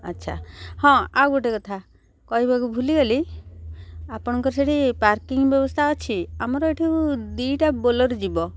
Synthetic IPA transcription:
ətːʃʰa̰hɔ̃awɡoʈekɔt̪ʰa | kɔibʱaɡubʱuliɡɔli | apɔɽ̃ɔkɔɾseɽipaɾkiŋbjɔbɔst̪ʰaɔt͡ʃʰiamɔɾɔeʈʰikud̪ijʈabolɔɾd͡ʒibɔ

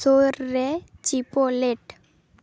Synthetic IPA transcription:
oɾːet͡ʃipoleʈ

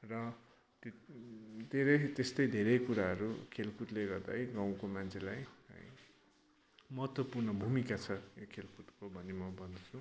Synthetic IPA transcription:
rʌ | t̪ | t̪eɾʌjt̪est̪ʌjd̪ʱeɾʌjkuɾaɦʌɾṵkʰelkuʈleɡʌrd̪a̰jɡaw̃komant͡sʰelajʌ̰j | mʌɦʌt̪wʌpurnʌbʱumikat͡sʰʌjokʰelkuʈkobʱʌnemʌbʱʌnd̪ʌt͡sʰũ

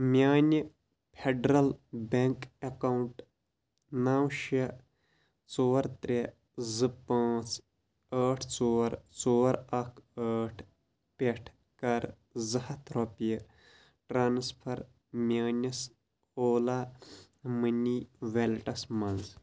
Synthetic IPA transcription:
mʲjaːnʲi | pʰeɖɾɐlbeŋkekawɳʈ | naːwʃɐ | t͡soːɾt̪ɾe | zɨpaːt͡s | əːʈʰt͡soːɾt͡soːɾɐkʰəːʈʰ | peʈʰ | kɐɾ | zɐhɐt̪ʰɾopijɐ | ʈɾaːnspʰɐɾ | mjaːnʲɐs | oːlaː | mɨniʋelʈɐsmɐnz

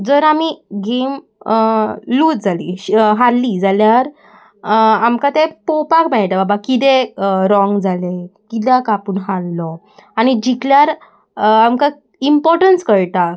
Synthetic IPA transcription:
d͡zəɾamiɡem | luːt̪̚d͡zʱalḭɦalːid͡zaljaɾ | amkat̪epopakmɛɭʈ̪ababakit̪ẽɾɔŋɡd͡zʱalekit̪akapuːnɦalːɔ | añid͡ʑikljaɾ | amka | impɔɾʈənskəɭt̪a

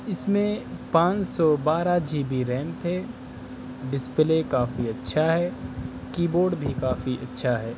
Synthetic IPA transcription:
ɪsmẽpãːt͡ʃsɔbaːɾad͡ʒiːbʱiɾɛ̃ːnt̪ʰe | ɖɪsplekaːfiɐtːʃʰaɦɛ | kiːboːɾɖbʱikaːfiʔɐtːʃʰaɦɛː

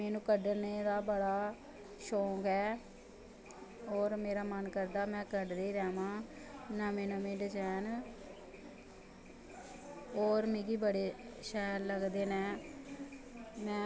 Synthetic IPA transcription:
meːnũːkəɖneːd̪aːbəɽaː | ʃoːkɛː | oːɾmeːɾaːmənkəɾd̪aːmɛ̃ːkəɖɾeːɾɛːmãː | nãːmẽːnãːmẽːɖət͡ʃɛːn | oːɾmĩːɡiːbəɽeːʃɛːlːəɡd̪eːnɛ̃ː | mɛ̃ː

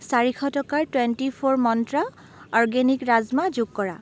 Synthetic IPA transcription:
saɹikʰɔtɔkaɹtwentipʰoɹmɔntɹa | ɔɹɡenikɹazmazuɡ̚kɔɹa̰

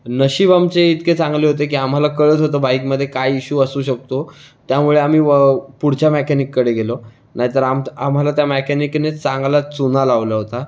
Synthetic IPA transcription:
nəɕiːbamt͡seit̪ket͡sãŋɡleːɦot̪̬ek̬iːam̤alakəɭət͡sɦot̪̬əbaikməd̪ʱːjekajːɕuːəsuːɕək̚t̪o | t̪jamuɭeam̤iːəpuɽ̤t͡ɕamekɛnikːəɽeɡelo | naɦit̪əɾamam̤alat̪jamekæniknet͡sãŋɡlat͡sunalaʋlaɦot̪a

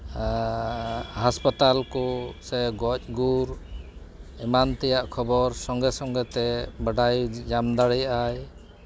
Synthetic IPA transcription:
haspat̪alkusɛɡɔc̚ˀɡuɾ | ɛmant̪ɛjaʔkʰɔbɔɾsɔŋɡɛsɔŋɡɛt̪ɛbəɖajd͡ʒamd̪aɽɛjaj

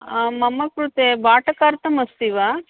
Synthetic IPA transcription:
aːmɐmːɐkɾut̪ebaːʈɐkaːɾt̪ɐmɐst̪iʋaː

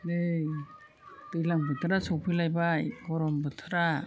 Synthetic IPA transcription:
ne | dɯjlaŋbɯtʰɯɾasɔwpʰɯlajbaɡɔɾɔmbɯtʰɯɾa

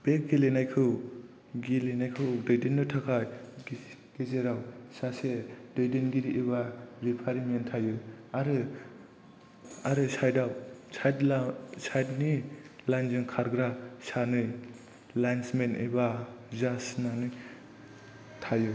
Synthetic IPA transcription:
b̥ek̚ɡilenajkʰɯw | ɡilenajkʰɯdɯjdenːɯtʰakʰaj | ɡ̥ezeɾawsasedɯjdenɡiɾiʔiβaɾipʰaɾimentʰajɯaɾɯ | aɾɯsajdawsajdlasajdnilajnzɯŋkʰaɾɡɾasanɯj | lajnsmenḭbazasnanɯj | tʰaju

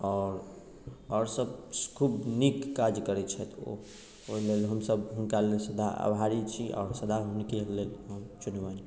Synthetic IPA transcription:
ɔɾ | ɔɾsəbkʰubnikːad͡ʒkəɾɛt͡ʃʰɛt̪ʰo̰ | olelɦəmsəbɦunkalelsəd̪aa̰bʱɦaɾit͡ʃʰiʔɔ̰ːɾsəd̪aɦunkelelɦəmt͡ʃunwani

